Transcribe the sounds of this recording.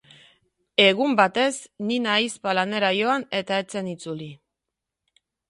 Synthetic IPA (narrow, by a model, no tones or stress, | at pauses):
e̞ɣ̞umbat̪e̞sninajspalane̞ɾajo̞ane̞t̪ae̞t͡se̞nit͡suli